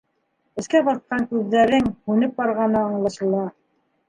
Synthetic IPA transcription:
ɘ̆skæbɑθqɑŋkʉðːæɾɘŋhʉnɘp̚bɑɾʁɑnɤɑɴlˠɑʃɤ̆lˠɑ

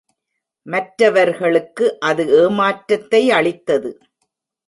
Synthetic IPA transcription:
mɐʈɾɐʋɐɾɣɐɭɯkːɯʔɐðɯʔeːmaːʈɾɐt̪ːɐɪɐɭɪt̪ːɐðɯ

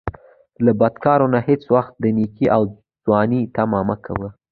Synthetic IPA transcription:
labad̪kɑɾonahɪt͡swaxt̪̚d̪ənikiʔaw | d͡zwɑnit̪amɑmakʰa̰wə

